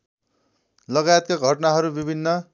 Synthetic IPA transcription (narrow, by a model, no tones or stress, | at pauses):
lʌɡajet̪̚kaɡʱʌʈnaɦʌɾubibʱinːʌ